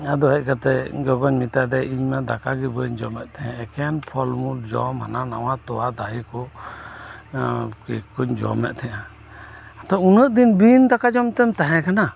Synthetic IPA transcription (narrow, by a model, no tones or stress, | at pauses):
ad̪ɔɦɛc̚kat̪ɛɡɔɡɔɲmit̪ad̪ɛʔiɲmad̪akaɡibəɲd͡ʒɔmɛt̪̚t̪ʰɛãɛkɛnpʰɔlmuld͡ʒɔmɦa̰nanawat̪ɔwad̪aikɔ | kikuɲd͡ʒɔ̰mɛ̰t̪̚ˀt̪ʰɛja | at̪ɔunəʔd̪inbint̪akad͡ʒɔmt̪ɛmt̪aɦɛ̃kana